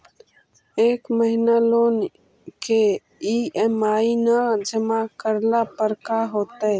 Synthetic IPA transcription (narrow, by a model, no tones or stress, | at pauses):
ekməɦinalon | ke | iemainəd͡ʒəmakəɾlapəɾkaɦot̪ə